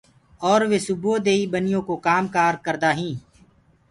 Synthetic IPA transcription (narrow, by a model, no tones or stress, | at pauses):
ɔːɾʋeːsʊboːd̪eːiːbənɪjõːkokaːmkaːɾkəɾd̪aːɦĩː